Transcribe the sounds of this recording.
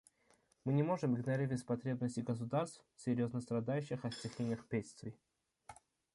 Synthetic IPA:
mɨnʲɪmo̞ʐɨmɨɡnɐɾʲivʲɪsʲpɐt̪ɾʲe̞bnəsʲɪɡəs̬ʊd̪arst̪fsʲɪɾʲjoznəst̪ɾɐd̪ajʉɕːɪxɐsʲt̪ʲɪxʲenʲɪjəxpʲet̪ʲst̪vʲɪ

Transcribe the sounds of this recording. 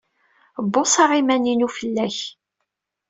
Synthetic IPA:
bːosˤɑʁimæninufəlːæç

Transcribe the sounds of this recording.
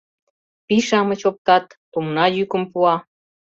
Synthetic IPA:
piʃɑmət͡ɕop̚t̪ɑt̪ | umnɑjykəmpuɑ

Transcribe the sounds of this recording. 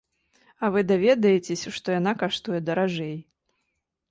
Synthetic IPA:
ɐvɨd̪avʲɛd̪ɐjet͡sʲesʲɐʂt̪ɔjanakaʂt̪ujɛd̪ɐɾaʐɛj

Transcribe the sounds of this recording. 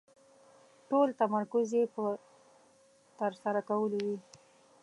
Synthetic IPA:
ʈolt̪amaɾkʊzepə | t̪əɾsaɾakawəlowi

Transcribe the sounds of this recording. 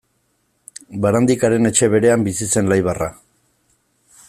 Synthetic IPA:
baɾand̪ikaɾe̞ne̞t͡ʃe̞βe̞ɾe̞ambisise̞nlajβara

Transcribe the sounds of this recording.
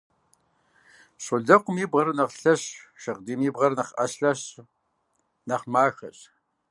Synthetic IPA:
ɕʼʊɮɐqʷʊmiːbʁɐɾnɐʁɬɐɕʃɐʁdiːmiːbʁɐrnɐχʔɐɕɬɐɕ | nɐχmaːxɐ̰ɕʼ

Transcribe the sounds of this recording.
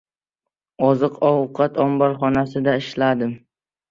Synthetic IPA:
ɒzɨqʰɒwqʰɑt̪ʰɒmbɒɾχɒnasɪd̪aɪʃlad̪ɪm

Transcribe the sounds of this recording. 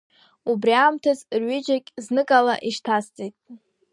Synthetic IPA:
ubriamtʰazrɥɪd͡ʒakʲʼznɨkʼala̰ʔiʂtʰast͡sʼekʲʼ

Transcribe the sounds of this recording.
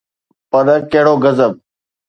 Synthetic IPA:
pəɾəkeɦɽoːɡəzəb̚

